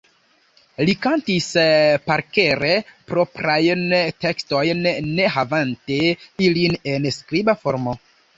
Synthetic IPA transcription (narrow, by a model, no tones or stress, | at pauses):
likantispaɾke̞ɾe̞pɾo̞pɾajnte̞ksto̞jnːe̞ɦavanteilinenskɾibafoɾmo